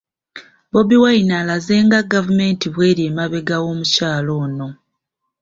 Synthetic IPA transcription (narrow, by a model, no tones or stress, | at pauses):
bo̞biwainalaze̞ːŋɡaɡavume̞ːntiβwe̞ːɾie̞ːmaβe̞ɡawo̞ːmucaːlo̞ːno̞